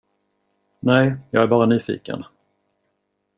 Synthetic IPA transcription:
nɛjjɑ̰ːɡæɾbɑːɾanyːfḭːkə̰n

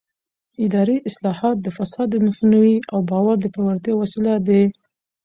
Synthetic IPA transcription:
ɪd̪ɑɾiʔɪslɑhɑt̪̚d̪əfasɑd̪ːəmahnawiawbɑwaɾd̪əpawaɾt̪jɑwasilad̪ə

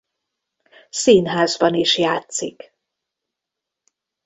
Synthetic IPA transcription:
siːnɦaːzbɒniʃjaːt̪sik

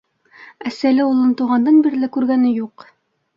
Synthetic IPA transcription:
æsælɘulˠɤnt̪uʁɑnd̪ɑnbiɾlɘkʉɾɡænɘjuq

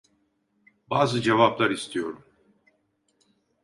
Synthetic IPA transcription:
baːzɯd͡ʒevaplˠaɾist̪ʰijo̞ɾum

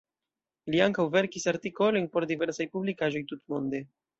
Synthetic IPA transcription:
liaŋkawve̞ɾkisaɾtiko̞lo̞jnpo̞ɾdive̞ɾsajpublikaʒo̞jtutmo̞nde̞

